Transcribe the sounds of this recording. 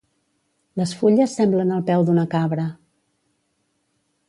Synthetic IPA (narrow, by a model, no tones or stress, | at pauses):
ləsfuʎəsːɛmblənəlˠpɛwd̪unəkaβɾə